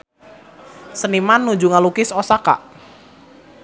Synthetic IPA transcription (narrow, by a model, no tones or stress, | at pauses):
sənimanːu̥d͡ʒuŋalukɪsosaka̰ʔ